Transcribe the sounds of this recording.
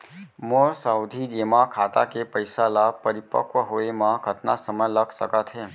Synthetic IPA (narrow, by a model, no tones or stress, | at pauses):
moɾsad̪ʱid͡ʒemãkʰat̪a̰kepəjsalapəɾipə̰kʋəɦoemãɡʱət̪na̰səməjləksə̰kat̪ʰɦe